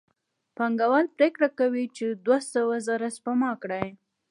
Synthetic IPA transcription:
paŋɡawanpɾekɽakawit͡ʃed̪wasawazɑɾaspamɑkɽaj

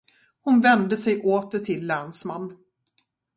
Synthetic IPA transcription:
hʊnvɛnd̪əsɛjʔoːt̪ət̪ʰɪlːɛnsmanː

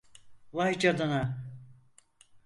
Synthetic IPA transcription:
vajd͡ʒad̪ana

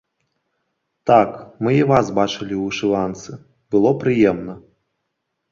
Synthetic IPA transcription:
t̪akmɨivasbat͡ʂɨlʲiuʂɨlˠant̪sɨ | bɨlˠɔpɾɨjɛmnɐ

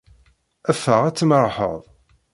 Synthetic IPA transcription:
æfːəʁæt͡sːəmɾˤħə̰ðˤ

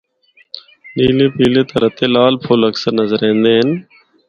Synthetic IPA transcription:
ɗiːleːpiːleːt̪ãːɾət̪eːlaːlpʰʊləksəɾnəzəɾẽːnd̪eːɦən

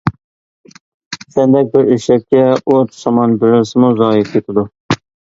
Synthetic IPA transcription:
sɛnd̪ɛk̚ʲbɪɾeʃlɛk̚ʲkʲːɛoɾt̪ʰsɑmɑnbɪɾɪlsɪmuzɑːjɪp̚kʲʰet̪ʰɪd̪u

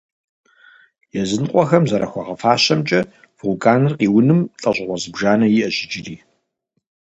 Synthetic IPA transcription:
jɛzɨnqʷʼɔxɐmzɐɾɐxʷɔʁɐfaːɕɐmt͡ʃʼɐ | v̥ulkʼaːnɨrqiːwʊnɨmɬʼɐɕʼɪʁʷɔzɨbʒaːnɐjiʔɐɕɪd͡ʒɪriː

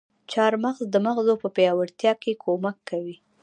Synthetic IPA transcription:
t͡ʃɑɾmaɣzd̪əmaɣzopəpjɑwaɾt̪jɑkekʰomakʰːawi

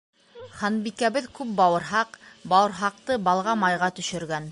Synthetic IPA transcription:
χɑnbikæβɘðkʉp̚bɑwɤ̆ɾɦɑqbɑwɤ̆ɾɦɑq̚t̪ɤbɑlˠʁɑmɑjʁɑt̪ɵ̆ʃɵ̆ɾɡæn

